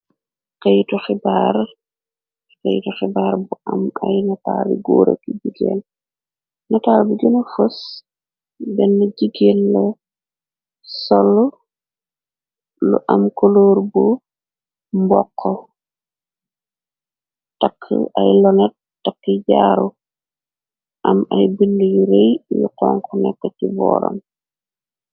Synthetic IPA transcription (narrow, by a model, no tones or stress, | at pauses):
kejtɔxibaɾ | kejtɔxibaɾbuʔamajnatabḭɡo̰ɾo̰kiɟiɡḛl | nataːɾbiɡinafus | bɛnːaɟiɡelːɔ | sɔlːɔ | lṵʔamkoloːɾbu | mbɔkʰːɔ | takʰːə̰ajlɔnɛt̚ | takːiɟaːɾu | ʔamajbindujuɾejjṵkɔŋkɔnɛkːɔcibɔ̰ːɾɔ̰m